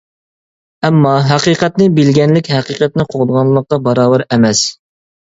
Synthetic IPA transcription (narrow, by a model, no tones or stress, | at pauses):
ɛmːɑɦæqiːqʰɛt̪nɪbɪlɡʲɛnlɪkʲɦæqiqʰɛt̪̚nɪqʰoʁd̪əʁɑnlˠəːəq̚q̪ɑbɑɾɑːwɛɾɛmɛs